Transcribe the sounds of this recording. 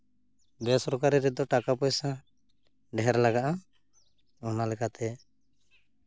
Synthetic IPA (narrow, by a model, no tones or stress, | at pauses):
bɛsɔɾkaɾiɾɛd̪ɔʈakapɔjsa | ɖɛɦɛɾlaɡaʔa | ɔnalɛkat̪ɛ